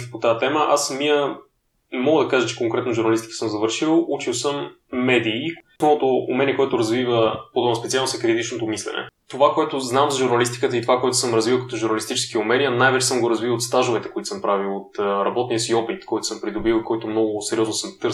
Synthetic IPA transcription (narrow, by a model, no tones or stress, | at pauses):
pot̪aɛt̪ɛməʔasmiə | ɛmɔɡəd̪ɐkaʒət͡ʃɛkoŋkɾɛt̪noʒuɾnɐlist̪i̥kə̥səmzɐvɤɾʃilˠʔut͡ʃilˠsəmː | ɛd̪iːsmoot̪o̰ːmɛniəkoɛt̪ʊɾɐzvivəpod̪ɔbnspɛt̪sʲialˠnosɛkɾit̪it͡ʃnot̪omislɛ̰nɛ̰t̪ovakoɛt̪ʊznamzɐʒuɾnɐlist̪i̥kət̪əit̪ovakoɛt̪ʊ̥səmɾɐzvivəlˠkɐ̥t̪ɔʒuɾnɐlist̪it͡ʃɛ̥skiumɛniənajvɛt͡ʃɛsəmɡoɾɐzvilˠot̪st̪aʒʊvɛt̪ɛ̥koit̪səmpɾavilˠot̪ːɾɐbɔt̪nijəsiɔpit̪kʰɔjt̪osəmpɾid̪obilˠikɔit̪omnɔɡʊsɛɾiɔznosəmt̪ɤ